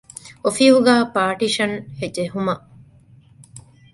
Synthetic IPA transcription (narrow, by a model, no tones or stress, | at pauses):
ofiɦuɡæːpaːʈiʃɐnhed͡ʒeɦumɐ